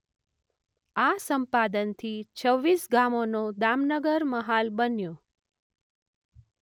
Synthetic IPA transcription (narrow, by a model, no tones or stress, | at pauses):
asəmpad̪ənt̪ʰit͡ʃʰəʋːisɡamonod̪amnəɡəɾməɦalbənjo